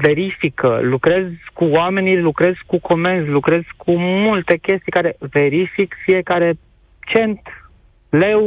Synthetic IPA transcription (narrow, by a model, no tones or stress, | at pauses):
ve̞ɾifikə̰lukɾe̞zkuwame̞nilukɾe̞zkukʰo̞me̞nzlukɾe̞z̥kʰumult̪e̞kʲe̞st̪ijkaɾe̞ve̞ɾifikfije̞kaɾe̞ | t͡ʃe̞nt̪ | le̞